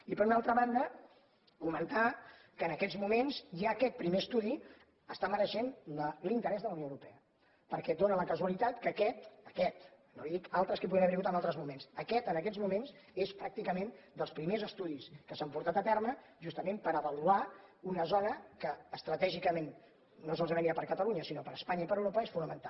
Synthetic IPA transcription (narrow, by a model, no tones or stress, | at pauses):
ipəɾunalˠt̪ɾəβand̪ə | kumənt̪a | kəːnəkɛd͡zmumenzʒaːkɛt̪̚pɾimeəst̪uði | əst̪aməɾəʃenəlint̪əɾɛzðələwnoəwɾupɛə | pəɾkɛd̪onələkəzuəlit̪at̪kəkɛt̪əkɛt̪noliðikalˠt̪ɾəskəp̬uɣinəβɛɾiɣut̪əmalˠt̪ɾəzmumensəkɛt̪ənəkɛzmumenzespɾak̚t̪ikəmend̪əlˠspɾimezəst̪uðiskəsampuɾt̪at̪ət̪ɛrmə | ʒust̪əmempəɾəβəluaunəzɔnəkəəst̪ɾət̪ɛʒikəmenː | os̬ɔlˠzəβɛmiɾapəɾkət̪əluɲəsinopəɾəspaɲəipəɾəwɾopəesfunəmənt̪alˠ